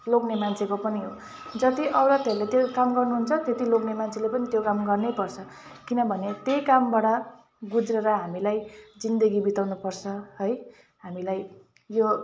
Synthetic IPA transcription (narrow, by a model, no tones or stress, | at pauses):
loknemant͡sʰekopʌniɦo | d͡zʌt̪iʔʌwɾʌt̪eɾlet̪jokamɡʌrnuɦunt͡sʰʌt̪et̪iloknemant͡sʰelepʌnit̪jokamɡʌrnepʌrt͡sʰʌkinʌbʱʌnet̪ejkambaɽʌ | ɡud͡zɾeɾʌɦamilajd͡zind̪ʌɡibit̪awnupʌrt͡sʰʌɦʌj | ɦamilaj | jo